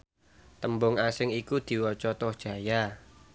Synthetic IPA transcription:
t̪əmbʊŋasɪŋikud̪̥i̤wɔt͡ʃɔt̪ɔhd̥ʒ̥ä̤ja

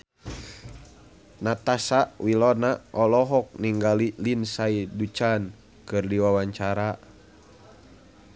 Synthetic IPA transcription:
nat̪asaʔwilɔnaʔɔlɔɦɔk̚niŋɡalilinsaidut͡ʃan | kɨrdiwawaɲt͡ʃaɾa

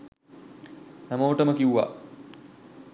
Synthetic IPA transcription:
hæməʋəʈəməkiuʋa̰

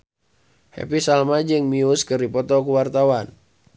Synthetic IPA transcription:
hɛ̰pisalmad͡ʒɨŋmiuskɨripɔt̪ɔkuwart̪awan

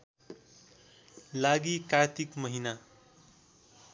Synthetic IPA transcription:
laɡikaɾt̪ikmʌɦina

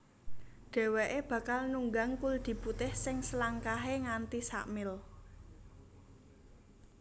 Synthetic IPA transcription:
ɖ̥ɛ̤weʔeb̥ä̤kalnuŋɡaŋkuld̪̥i̤put̪ɪhsɪŋsəlaŋkaɦeŋant̪isa̰ʔmɪl

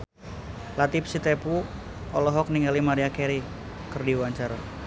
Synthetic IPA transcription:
lat̪ip̚sit̪epu | ɔlɔɦɔk̚niŋɡalimaɾiakeɾi | kərdiwaɲt͡ʃara

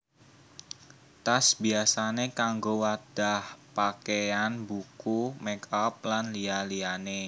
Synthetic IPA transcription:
t̪asbiasanekaŋɡowad̥ahpakeanbukumɛkap̚lanlialiane

